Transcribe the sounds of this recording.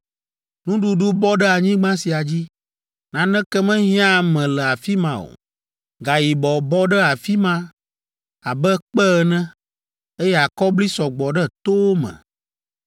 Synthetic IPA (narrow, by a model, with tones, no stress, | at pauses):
nũ˦ɖu˨ɖu˦bɔ˦ɖɛ˦a˨ɲĩ˦ɡ͡bã˦si˨a˨d͡ʑi˦ | nã˨nɛ̃˦kɛ˦mɛ̃˦ɦĩ˦ã˦mɛ̃˨lɛ˨a˨fi˦mã˨o̰˨ | ɡa˨ji˨bɔ˨bɔ˦ɖɛ˦a˨fi˦mã˦ | a˨bɛ˦k͡pɛ˦˨nɛ̃˦ | e˦jɛ˦a˨kɔ˦bli˦sɔ˨ɡ͡bɔ˨ɖɛ˦t̪o˦wo˦mɛ̰̃˨